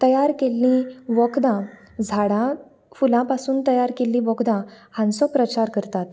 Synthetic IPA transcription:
t̪əjaɾkelːĩʋɔkd̪ã | d͡zʱaɽã | fulãpasuːnt̪əjaɾkelːĩʋɔkd̪ãhãnsɔpɾət͡ɕaɾkəɾt̪at̪

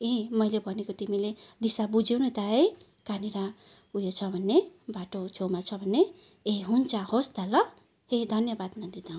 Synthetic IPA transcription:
emʌjlebʱʌnekot̪imiled̪isabud͡zewnet̪aej | kaniɾa | ujot͡sʰʌbʱʌnːebaʈot͡sʰomat͡sʰʌbʱʌnːe | eɦunt͡sahosd̪alʌ | hed̪ʱʌnjʌbad̪nad̪id̪aw̃

